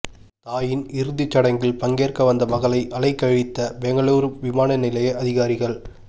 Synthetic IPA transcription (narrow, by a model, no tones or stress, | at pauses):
t̪aːjɪnɪɾɯðɪt͡ʃːɐɽɐŋɡɪlpɐŋɡeːrkɐʋɐnd̪ɐmɐɣɐɭɐɪʔɐlɐɪkːɐɻɪt̪ːɐbɛŋɡɐɭuːɾʋɪmaːnɐnɪlɐjɐʔɐðɪɣaːɾɪɣɐɭ